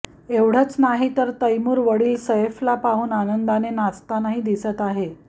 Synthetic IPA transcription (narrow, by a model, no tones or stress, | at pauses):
eʋɽ̤ət͡snaɦit̪əɾt̪əjmuːɾʋəɽiːlsəeflapaɦuːnanənd̪anenast̪anaɦiːd̪isət̪aɦe